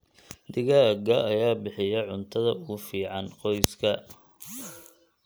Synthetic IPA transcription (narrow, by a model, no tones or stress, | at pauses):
d̪ɪɣaːɡɐʔɐjaːbɪħɪjɐʕʊnt̪ʰɐðɐʊɣʊfiːʕɑnqɔjskʰɐ